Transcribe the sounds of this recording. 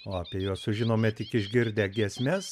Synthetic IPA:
oːɐpʲiɛjuɔssʊʒʲɪnoːmʲɛt̪ʲɪkɪʒʲɡʲɪɾʲd̪ʲæːɡʲiɛsʲmʲɛs

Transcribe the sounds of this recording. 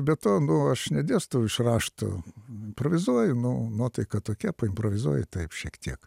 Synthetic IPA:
bʲɛt̪oːnʊɐʃnʲɛd̪ʲeːst̪oɪʃrɑːʃt̪o̰ɪmpɾoʋʲɪzuɔjʊnʊnuɔt̪ɐɪkɐtt̪oːkʲɛpɐɪmpɾoːʋʲɪzuɔjɪt̪ɐɪpʃʲiɛkt̪ʲiɛk

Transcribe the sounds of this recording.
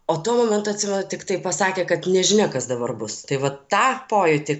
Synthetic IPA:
oːt̪uɔmoːmʲɛnt̪ʊːɐtʲsʲɪmʲɛnʊt̪ʲɪkt̪ɐɪpɐsɑːkʲeːkɐt̪nʲɛʒʲɪnʲɛkɐsd̪ɐbɐrbʊst̪ɐɪʋɐttːɑːpoːjʊt̪ʲɪk

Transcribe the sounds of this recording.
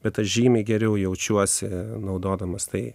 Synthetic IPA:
bʲɛt̪̚t̪ɐʒʲiːmʲɛɡʲɛɾʲɛʊjɛʊt͡ʃʲuɔsʲɪnɐʊd̪oːd̪ɐmɐst̪ɐɪ

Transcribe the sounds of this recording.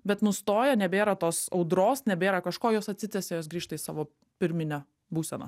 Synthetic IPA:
bʲɛt̪nʊst̪oːjɛnʲɛbʲeːɾɐt̪oːsɒʊd̪ɾoːsnʲɛbʲeːɾɐkɐʃkoːjoːsɐt̪ʲsʲɪt̪ʲɛsʲeːjoːs̬ɡɾʲiːʃt̪ɐisɑ̰ːʋoː | pʲɪɾʲmʲɪnʲɛ | buːsʲɛnɐ̰

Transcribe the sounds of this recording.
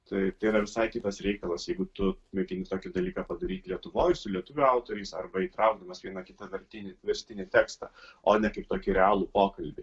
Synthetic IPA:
t̪ɐɪt̪ɐɪiɾɐʋʲɪsɐɪkʲɪt̪ɐsɾʲɛɪkɐlˠɐsjɛɪɡʊt̪ʊmʲɛkʲɪnʲɪt̪oːkʲɪd̪ɐlʲiːkɑpɐd̪ɐɾʲiːt̪ʲlʲiɛt̪ʊʋoːjsʊlʲiɛt̪ʊʋʲʊɑʊt̪oːɾʲɛɪsɐ̰rbɐiːt̪ɾɐʊɡ̚d̪ɐmɐsʋʲiɛnɐkʲɪt̪ɐʋʲɐɾʲt̪ʲɪnʲɪʋʲɛɾʲsʲt̪ʲɪnʲɪt̪ʲæːkst̪ɐoːnʲɛkɐɪpt̪oːkʲɪɾʲɛɑːlˠʊpoːkɐlʲbʲɪ

